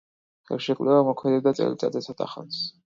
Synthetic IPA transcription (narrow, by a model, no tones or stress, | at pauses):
ɣɛ̰ɾʃɛkʼvlɛvamɔkʰmɛd̪ɛb̚d̪at̪sʼɛ̰ɾit̪ʼad̪zɛsʰat̪ʼa̰χa̰ns